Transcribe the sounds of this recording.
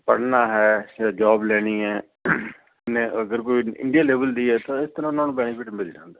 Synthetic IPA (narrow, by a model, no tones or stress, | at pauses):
pə̰ɽnaːɦɛːd͡ʒaːblɛːɽ̃iːɛː | neːəɡəɾkoːiɪ̰̃ɳɖijaːleːbəld̪iːɦɛːt̪ãɪst̪əɾãːnãːnbɛːnɪpʰɪʈbɪd͡ʒd͡ʒã̰ːnd̪aː